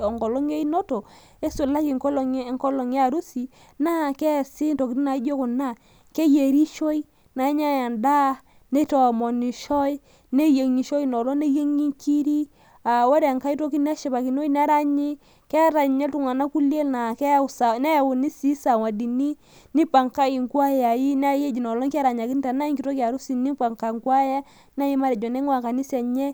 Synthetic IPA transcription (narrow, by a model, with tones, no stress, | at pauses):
ɔ˨ŋɡɔ˨lo˦ŋe˦i˦no˦to˨ | e˦su˨la˦ki˨ŋkɔ˦lŋkɔ˦lɔ˨ŋ˦a˦˨ɾu˦si˨ | na˦˨kɛ˦˨si˦nto˨ki˨ti˦na˨˦i˦d͡ʒo˦kʊ˨na˦˨ | ke˦je˨ɾi˦ʃo˦i˦ | na˨˦ɲa˦ja˨nda˦ | ne˦tɔ˨mɔ˨ni˨ʃɔ˦i˦ | ne˦je˨ŋi˨ʃo˦i˦nɔ˨lo˦ne˦je˦ŋi˦ŋki˦ɾi˦ | a˨wo˦ɾɛ˨ŋka˦i˦to˦ki˦n˦a˦ʃe˨ba˨ki˨n˦o˦i˦n˦a˦ɾa˦ɲi˦ | kɛ˦a˦ɾa˨ɲɛ˦tu˨ŋa˨na˦ku˦le˦lna˨kɛ˦˨sa˨na˦ja˨wu˨ni˦si˦sa˨wa˨di˨ni˦ | ni˦pa˨ŋka˦i˨ŋku˦a˦ja˨ji˦na˦je˦d͡ʒi˨nɔ˨lɔ˦ŋka˦ɾa˨ɲa˨ki˦n˦ta˨na˦ŋki˨to˦ki˦a˨ɾu˦si˨ni˦pa˨ŋka˨ŋkwa˦ja˦ | na˦ji˦ma˦ɾɛ˨d͡ʒɔ˨ne˦ŋwa˨ka˨ni˦sɛ˨ɲɛ˦